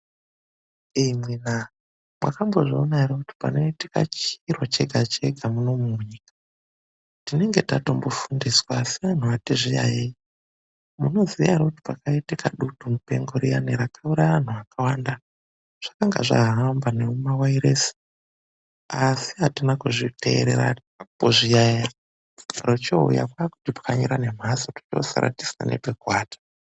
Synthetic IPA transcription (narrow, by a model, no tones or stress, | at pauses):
imwina | mwa̰kambo̞ʐionaiɾokuti̥pa̰no̞itika̰t͡ʃirwot͡ʃe̞ɡʱat͡ʃe̞ɡʱamuno̞muɲiːkḁ | tine̞ŋɡe̞tato̞mbo̞fundiswaːsiʋan̤uʋatiʐija̰jei | muno̞zijaiɾokuti̥pakaitikaɗutumupe̞̰ŋɡoɾija̰niɾakauɾaʋan̤uʋakʰawanda | ʐ̥akaŋɡa̰ʐa̰ɦɦambaneumawaiɾesi̥ | asiɦatinakuʐite̞ḛɾeɾa̰ | poʐijaja | rot͡ʃoṵja̰kwaku̥tipḁkaɲoɾane̞m̤asoto̥t͡ʃosa̰ɾa̰ti̥sina̰ne̞̰pekwaːtʰḁ